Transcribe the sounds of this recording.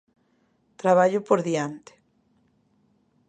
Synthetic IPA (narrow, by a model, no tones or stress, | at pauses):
t̪ɾaβ̞aʎʊpoɾðiant̪e̥